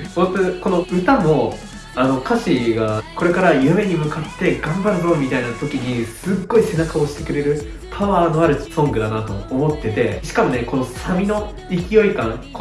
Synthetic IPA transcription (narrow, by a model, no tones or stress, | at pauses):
hot̪okono̞ɯ̟t̪amo̞ | ano̞kaɕiɡako̞ɾe̞kaɾajɯ̟me̞ɲ̟imɯ̟kat̪ːe̞ɡãmbaɾɯ̟bõːmʲːit̪ainat̪o̞kʲiɲ̟isɨɡːo̞ise̞nakao̞ɕi̥t̪e̞kɯ̟ɾe̞ɾɯ̟ | pʰaβaːno̞aɾɯ̟t͡ɕi̥sõ̞ŋɡɯ̟d̪anat̪o̞̰ːmo̞t̪ːe̞t̪e̞ɕi̥kamo̞ne̞ko̞no̞samʲino̞ | ikʲijo̞ikãŋk